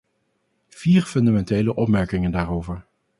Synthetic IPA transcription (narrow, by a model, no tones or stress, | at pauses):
v̥iːɹfɵndamɛntejləʔɔpmɛɹkɪŋəndaːɾowvəɹ